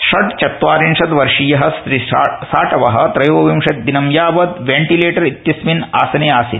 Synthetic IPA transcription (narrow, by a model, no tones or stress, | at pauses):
ʂɐɖt͡ʃɐt̪ʋaːɾinʂɐt̪ʋɐɾʂiːjɐɦɐst̪ɾisaːʈɐʋɐɦɐ̆t̪ɾɐjoːʋɐʋimʂɐt̪̚d̪inɐmjaːʋɐd̪ʋeɳʈileːʈɐɾit̪jɐsmina̰ːsɐnejaːsit̪